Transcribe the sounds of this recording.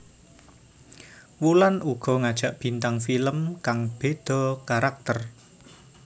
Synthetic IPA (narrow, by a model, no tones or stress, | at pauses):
wulanuɡ̥ɔ̤ŋad̥ʒ̥a̤ʔb̥i̤nt̪aŋfiləmkaŋb̥e̤d̪̥ɔ̤kaɾak̚t̪ər